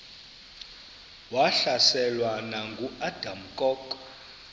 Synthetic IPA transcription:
waɬasɛlwanaŋɡʱuad̥am̩kʼɔk

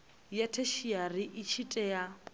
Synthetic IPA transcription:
jatʰeʃiarɪʔit͡ʃʰitʼɛja

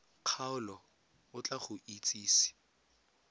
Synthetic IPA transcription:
q͡χʰaʊlɔ | ʊt͡ɬaχʊʔit͡sʼiːsi̥

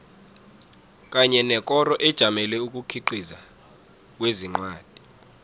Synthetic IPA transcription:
k̬ʼaɲɛnɛkʼɔrɔʔɛd̥ʒ̥ʱamɛlwɛuk̬ʼukʰiǃiza | k̬weziŋ͡ǃwaːd̥ʱi

